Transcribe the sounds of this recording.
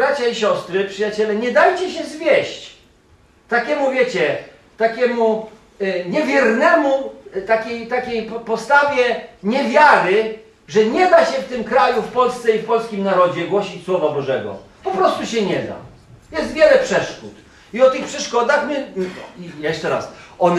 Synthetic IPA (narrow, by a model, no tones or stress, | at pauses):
ɾat͡ɕaiɕɔst̪ɾɘpʂɨjat͡ɕɛlɛɲɛd̪ajt͡ɕɛɕɛzvʲjɛɕt͡ɕ | t̪akʲɛmuvʲjet͡ɕɛ | t̪akʲɛmu | ɲɛvʲjɛɾnɛmut̪akʲejt̪akʲejpɔst̪avʲjɛɲɛvʲjaɾɘ | ʐɛɲɛd̪aɕɛft̪ɘmkɾajufpɔlst̪sɛifpɔlskʲimnaɾɔd͡ʑɛɡwɔɕit͡ɕswɔvabɔʐɛɡɔ̰ | pɔpɾɔst̪uɕɛɲɛd̪a̰ | jɛst̪vʲjɛlɛpʂɛʂkṵt̪ | iɔt̪ɘxpʂɛʂkɔd̪axmɘijɛʂt͡ʂɛɾa̰sɔn